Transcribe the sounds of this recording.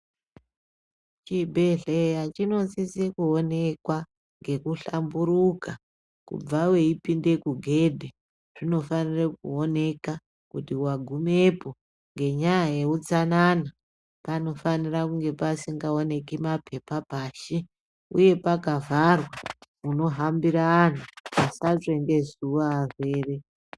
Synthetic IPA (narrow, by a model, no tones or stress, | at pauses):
t͡ʃibʱe̞ɮejat͡ʃino̞nzisekuo̞ne̞kwa | ŋɡe̞kuɬambuɾuka | kṵb͡vawe̞ipinde̞kuɡʱe̞dʱe | ʐ̥ino̞fanirek̚uo̞ne̞ka | kutiwaɡʱumepo̞ | ŋɡe̞ɲajajeut͡sanana | pano̞fanirakuŋɡe̞pasiŋɡaone̞kimapʰe̞papaːʃi | ṵje̞pakavarwa | uno̞ɦambiɾaːn̤uasaʐende̞zuwaːre̞ːre̞